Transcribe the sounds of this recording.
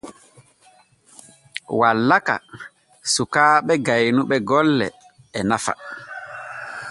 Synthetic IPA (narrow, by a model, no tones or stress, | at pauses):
walːaka̰ | sukaːɓɛɡajnuɓɛɡɔlːɛ̰ː | nafa̰